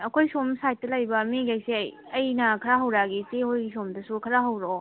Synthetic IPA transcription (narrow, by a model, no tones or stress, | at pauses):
ɐkʰojsomsajt̚tːɐlɐjbɐmiɡajsiɐj | ɐjnɐkʰɐɾaɦɐwɾaɡitehojɡisomdɐsukʰɐɾaɦɐwɾo